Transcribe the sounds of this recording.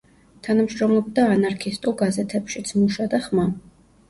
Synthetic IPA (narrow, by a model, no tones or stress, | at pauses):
t̪ʰanamʃɾɔmlˠɔb̚d̪aːnaɾkʰist̪ʼulˠɡazɛt̪ʰɛpʃit̪sʰmuʃad̪aχma